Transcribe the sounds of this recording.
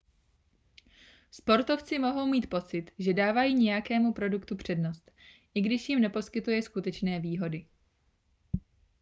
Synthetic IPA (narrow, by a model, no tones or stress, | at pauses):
spo̞ɾt̪o̞ft͡sɪmo̞ɦo̞wmiːt̪̚po̞t͡sɪt̪ʒɛdaːvajiːɲɛjakɛːmupɾo̞dukt̪upr̝̥ɛdno̞st̪ | ʔɪɡdɪʃjɪmnɛpo̞skɪt̪ujɛskut̪ɛt͡ʃnɛːviːɦo̞dɪ